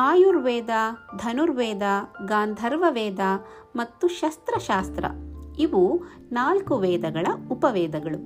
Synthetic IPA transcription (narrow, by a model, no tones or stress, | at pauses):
aːjuɾʋɛːd̪aːd̪ʱɐnuɾʋɛːd̪aɡaːnd̪ʱɐɾʋɐʋɛːd̪aː | mɐt̪ːuʃɐst̪ɾɐʃaːst̪ɾɐ̰iʋuː | naːlkuʋɛːd̪ɐɡɐɭɐupɐʋɛːd̪ɐɡɐɭu